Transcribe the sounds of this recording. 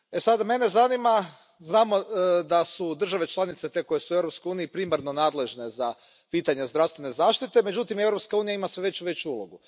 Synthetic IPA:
e̞sad̪me̞ne̞zanima | znaːmo̞d̪asud̪r̩ʒaʋe̞t͡ʃlˠanit̪se̞t̪e̞ko̞jesuevɾopskojuːniipɾiːmaɾnonaːd̪le̞ʒne̞za | piːt̪aɲe̞zd̪ɾaʋst̪ʋe̞ne̞zaːʃt̪it̪e̞me̞d͡ʑut̪ime̞vɾopskauːnijaimasʋe̞ʋe̞t͡ɕuʋe̞t͡ɕuulˠoɡu

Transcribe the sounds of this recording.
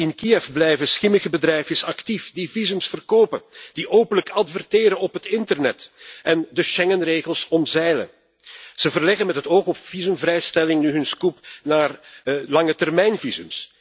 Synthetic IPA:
ɪnkiɛvblɛjvəsxɪməɣəbədɾɛjvəsɑktifdivizɵmsfərkoːpəd̥iʔoːpənləkʰɑtfərtɪːɾənɔpɦətɪntərnɛtɛndəʃɛŋənreːɣəlˠsɔmzɛjlə̰ | z̥əvərlɛɣənmɛtɦətoːxɔpv̥izɵmvrɛjstɛlɪŋnyɦɵnskupnaːrlɑŋətɛrmɛjnvizɵms

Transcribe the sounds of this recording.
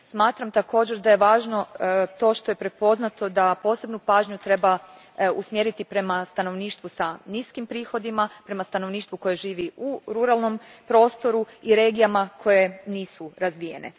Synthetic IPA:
smaːt̪ɾamt̪ako̞ːd͡ʑeɾd̪aje̞ʋaːʒno̞t̪o̞ːʃt̪o̞jepɾe̞po̞znat̪o̞d̪apo̞ːse̞bnupaːʒɲut̪ɾe̞ba | usmjeɾit̪ipɾe̞mast̪ano̞ʋniːʃt̪ʋusaniskimpɾiːxo̞d̪imapɾe̞mast̪ano̞ʋniːʃt̪ʋuko̞je̞ʒiːʋiuɾuɾalˠno̞mpɾo̞ːst̪o̞ɾuiɾe̞ːɡijamakʰo̞je̞niːsuɾazʋije̞̰nḛ

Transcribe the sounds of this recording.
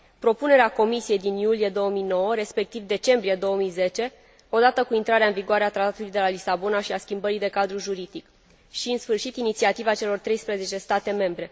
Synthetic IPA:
pɾo̞pune̞ɾeako̞misie̞jd̪injulijed̪o̞wəmijno̞wəɾe̞spe̞k̚t̪ivd̪e̞t͡ʃe̞mbɾije̞d̪o̞womijze̞t͡ʃe̞ | o̞d̪at̪əkuint̪ɾaɾeaɨnviɡoaɾeat̪ɾat̪at̪ulujd̪e̞lalisabo̞naʃiaskʲimbəɾijd̪e̞kad̪ɾuʒuɾid̪ik | ʃiɨnsfɨrʃit̪init̪siat̪ivat͡ʃe̞lo̞rt̪ɾe̞jspɾeze̞t͡ʃe̞st̪at̪e̞me̞mbɾe̞

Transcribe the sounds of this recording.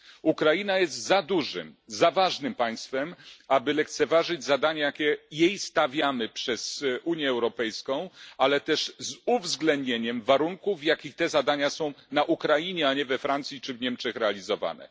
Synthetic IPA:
ukɾajinajɛst̪zad̪uʐɘ̰mzavaʐnɘmpaj̃st̪fɛmabɘlɛkt̪sɛvaʐɘd͡ʑzad̪aɲajakʲɛjejst̪avʲjamɘpʂɛz̥ʔuɲjɛːwɾɔpɛjskɔ̃w̃alɛt̪ɛʂzuvzɡlɛnd̪ɲeɲɛmvaɾuŋkuvjakʲixt̪ɛzad̪aɲasɔ̃w̃naʔukɾajiɲɛaɲɛvɛfɾant̪sʲjit͡ʂɘvɲɛmt͡ʂɛxɾɛalʲizɔva̰nɛ̰

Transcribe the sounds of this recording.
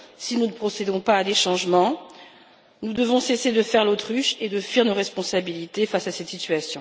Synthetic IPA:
sinunəpχɔsed̪ɔ̃paːd̪eʃɑ̃ʒmɑ̃ | nud̪əvɔ̃sesed̪əfɛʁlot̪χyʃed̪əfɥiʁnoʁɛspɔ̃sabilit̪efasasɛt̪sit̪ɥasjɔ̃

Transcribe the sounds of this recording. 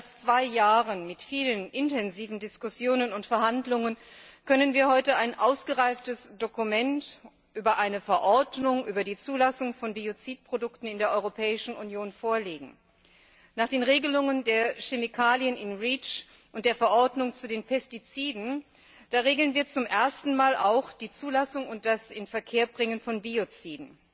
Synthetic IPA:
ʔalst͡sv̥aɪjaːʁənmɪtfiːlənʔɪntʰɛnziːvn̩dɪskʊsjoːnənʊntfɛɐɦhandlʊŋənkʰœnənviːɐhɔʏtəaɪnʔaʊsɡ̥əʁaɪftəsd̥okumɛnt | ʔyːbɐʔaɪnəfɛɐʔɔɐdnʊŋʔyːbɐdiːt͡suːlasʊŋfɔnbiot͡siːt̚pʁ̥odʊktn̩ɪndeːɐʔɔʏʁopʰɛːɪʃn̩unjoːnfoːɐleːɡŋ̩ | naːχd̥eːnʁeːɡəlʊŋəndeːɐʃemikʰaːljənɪnʁiːt͡ʃ | ʔʊntd̥eːɐfɛɐʔɔɐdnʊŋt͡sudeːnpʰɛstit͡siːdn̩ | d̥aːʁeːɡl̩ənviːɐt͡sʊmʔeɐstn̩maːlʔa̰ʊxd̥iːt͡suːlasʊŋʊnt̚d̥asɪnfɛɐkʰeːɐbʁɪŋənfɔnbiot͡siːdn̩

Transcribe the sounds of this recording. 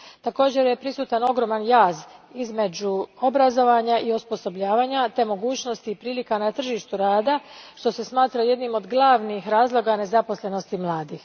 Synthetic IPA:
t̪ako̞ːd͡ʑe̞ɾje̞pɾisuːt̪ano̞ɡɾo̞ːmanjaːzizme̞d͡ʑuo̞bɾazo̞ʋaɲaʔiospo̞so̞bʎaːʋaːɲat̪e̞mo̞ɡuːt͡ɕno̞st̪iːpɾiːlikanat̪r̩ʒiːʃt̪uɾaːd̪aʃt̪o̞se̞smaːt̪ɾaje̞d̪nimo̞d̪ɡlˠaʋnixɾaːzlˠo̞ɡane̞zapo̞sle̞no̞st̪imlˠaːd̪ix

